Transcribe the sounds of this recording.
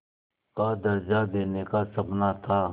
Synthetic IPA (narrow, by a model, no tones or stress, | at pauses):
kad̪ɐɾd͡ʒad̪eːnekasɐpnat̪ʰaː